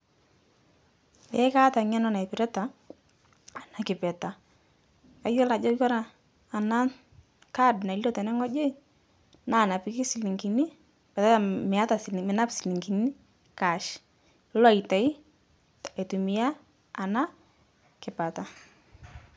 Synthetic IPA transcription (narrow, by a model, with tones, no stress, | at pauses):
ḛ˨˦ka˦ta˨ɲɛ˦nɔ˦na˨ɛ˨pɪ˨ɾɛ˦ta˨ | a˨na˨kɪ˨pɛ˨ta˨ | ka˦jɔ˦la˨d͡ʒɔ˦jɔ˦ɾaː˨ | na˦ | ka˦dna˨i˨lɔ˦tɛ˨nɛ˦ŋɔ˦d͡ʒe˦ | na˦˨na˨pɪ˨˦kɪ˦si˨li˨ŋki˨ni˦ | pɛ˨ta˦˨mɪ˨a˦ta˨smɪ˨na˦psi˨li˨ŋki˨ni˦ | ka˨ʃ | lɔ˦a˨i˨ta˨i˦ | e˨tu˨mi˨a˦ | a˨na˦ | kɪ˨pa˨ta˨